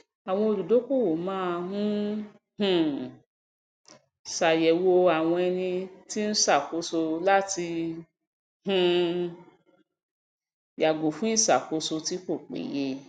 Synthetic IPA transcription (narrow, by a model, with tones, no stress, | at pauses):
a˨w̃ɔ̃˧o˧˨ɾu˨do˨˦ku˦˨wo˨mãː˦˧ɦũ˦ | hũ˨ | sa˨jɛ˨wo˧a˨w̃ɔ̃˧ɛ˧nĩ˧ti˦n̩˦sa˦˨ko˧˦so˧la˦ti˧ | hũ˧ | ja˨ɡo˨fũ˦ĩ˦˨sa˨ko˨˦so˧ti˨˦ko˦˨k͡pḛ˨je˧